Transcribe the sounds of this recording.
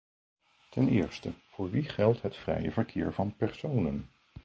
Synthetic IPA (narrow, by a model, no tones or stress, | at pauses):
tɛnɪ̰ːɹstəv̥ʊːɹʋiχɛlˠtɦətfrɛ̰jəvəɹkʰɪːɹvɑnpɛɹsownən